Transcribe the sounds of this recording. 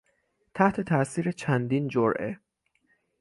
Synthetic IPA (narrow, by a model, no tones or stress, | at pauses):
t̪ʰæht̪ʰe̞t̪ʰæʔsiːɾe̞t͡ʃʰænd̪iːnd͡ʒoɾʔḛ